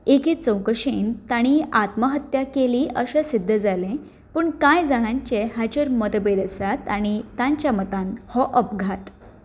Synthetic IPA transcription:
ekiːt͡səwkəɕent̪aɽ̃iat̪məɦət̪jakeliːʔəɕesid̪ʱːəd͡zalẽ | pəːɳkajd͡zaɽ̃ãɲt͡ɕeɦat͡ɕəɾməd̪bed̪əsat̪aɽ̃it̪ãɲt͡ɕjamət̪ãnhɔʔəpɡʱat̪

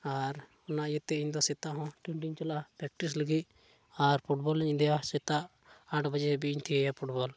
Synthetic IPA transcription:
aɾ | ɔnaʔjɛt̪ːɛiɲd̪ɔsɛt̪aʔɦɔ̃ʈuɳʈiɲt͡ʃalapɾɛk̚ʈis̬ləɡi | aɾpʰuʈbɔlɲĩnd̪jasɛt̪aʔ | aʈʰbad͡ʒɛbiiɲt̪ʰiɛjapʰuʈbɔl

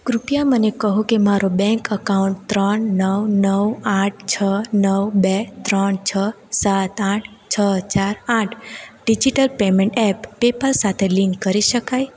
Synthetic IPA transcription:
kɾupijamənekəɦũkemaɾobɛ̃ŋkəkauɳʈt̪ɾəɳnəwnəʋaʈ̚ʰt͡ʃʰənəwbet̪ɾəɳt͡ʃʰə | sat̪aʈʰ | t͡ʃʰət͡ʃaɾaʈʰɖid͡ʒiʈəlpemẽɳʈɛpːepəlsat̪ʰeliŋkːəɾiʃəkaj

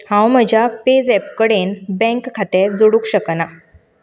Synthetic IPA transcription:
hãwməd͡ʑʱjaped͡zɛp̚kəɽenbɛ̃ŋkkʰːat̪ed͡zoɽuːkɕəkna

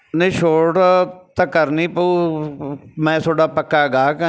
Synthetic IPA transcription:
nəːʃoːʈt̪akəɾniːpəuː | mɛ̃ːt̪ʰoːɽaːpəkːaːɡaːkː

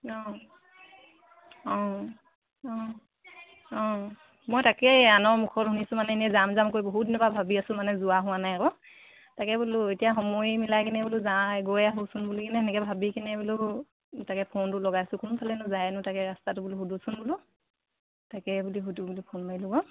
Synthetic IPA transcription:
ɔ | ɔ̃ | ɔ | ɔ̃ | mojtakɛanɔɹmukʰɔtɦunisʊmanɛnɛzamzamkojbɔɦutdinɔbabʱabiasʊ̃manɛzʊaɦʊ̃wanajakɔ | takɛbulʊetijaɦɔmojmilajkinɛbuluzaɡojaɦusʊnbulikinɛɛnɛkɛbʱabikinɛbulʊ | takɛpʰontʊlɔɡajasʊkʊnʊpʰalɛnʊzajɛnʊtakɛɹastatʊbuluɦudusʊnbulʊ | takɛbuliɦudubulipʰonmailɔɡɔ

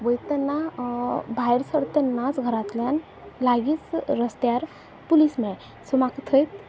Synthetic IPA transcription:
ʋəjt̪enːa | bʱajɾsəɽt̪enat͡sɡʱəɾat̪lan | laɡit͡sɾəst̪jaɾ | pulismẽ | sumakt̪ʰəjt̪

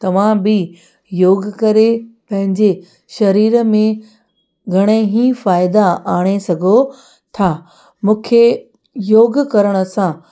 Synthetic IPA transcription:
t̪ɐʋ̤ãbɪ | joːɡkɐɾepɐ̃ɦɪ̃ɲd͡ʑe | ʃɐɾiːɾəmẽ | ɡʱɐɽ̃eɦĩfaːɪd̪aaːɽ̃esɐɡʱo | t̪ʰaː | mũːkʰe | joːɡkɐɾəɽ̃ə̆sã

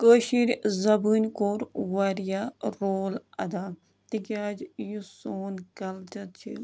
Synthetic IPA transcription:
kəːʃiɾʲzɐbɨnʲkoːɾʋɐɾjaɾoːlɐ̰d̪aː | t̪ikaːd͡ʒjusoːnɡɐlt͡ʃɐt̪t͡ʃʰḭ

